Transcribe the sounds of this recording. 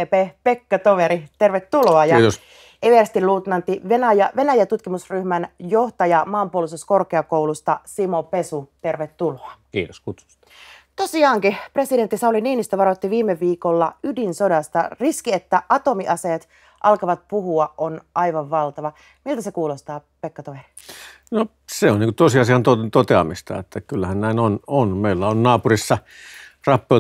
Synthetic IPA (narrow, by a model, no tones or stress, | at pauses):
epepekːɑt̪oʋeɾit̪erʋet̪ːuloɑjɑs | eʋest̪iluːt̪nɑnt̪ːiʋenæjɑʋenæjæt̪ut̪kimusryhmænjoht̪ɑjɑmɑːmpuolisuskorkeɑkoulust̪ɑsimopesut̪e̞rʋet̪ːuloɑkḭːt̪oskut̪su̥st̪t̪osiɑːŋkipresident̪ːisɑuliniːnist̪øʋɑɾot̪ːiʋiːmːeʋiːkolːɑydinsodɑst̪ɑ̰riskiet̪ːæʔɑt̪omiʔɑseːt̪ | ʔɑlkɑʋɑt̪̚puɦuɑʔʔonʔɑiʋɑʋʋɑlt̪ɑʋɑ | milt̪æsekuːlost̪ɑː | pekːɑt̪oʋeri̥ | no | seonniːkut̪osiɑsiɑnt̪ot̪ot̪eɑmist̪ɑ̰et̪ːækylːæhænnæˑinononmeˑilːæonnɑːpurisːɑ | rɑpːeo